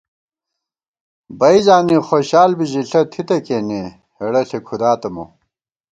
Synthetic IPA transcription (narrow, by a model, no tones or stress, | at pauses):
bɐizaːnixoːɕaːlbiʑiɬɐt̪ʰit̪ɐkeːne | heɽɐɬekʰud̪aːt̪ɐmṵ